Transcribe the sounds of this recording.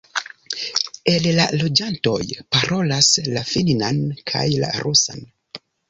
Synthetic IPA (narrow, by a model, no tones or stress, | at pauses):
e̞llalo̞d͡ʒanto̞jpaɾʔo̞laslafininankʰa̰jla̰ɾʔusa̰n